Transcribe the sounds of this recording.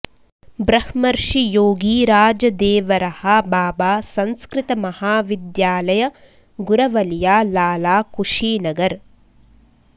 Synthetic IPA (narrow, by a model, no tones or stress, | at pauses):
bɾɐhmɐɾʂijoːɡiːɾaːd͡ʒɐd̪eːʋɐɾɐhɐbaːbaːsɐnskɾɪt̪ɐmɐhaːʋid̪jaːlɐjɐ | ɡuɾɐʋɐljaːlaːlaːkuʂiːnɐɡɐɾ